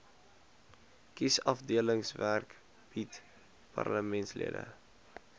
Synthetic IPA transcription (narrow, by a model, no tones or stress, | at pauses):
kisɐfdiələŋsværk | b̥it | pɑ̰rləmɛntslḭədə̰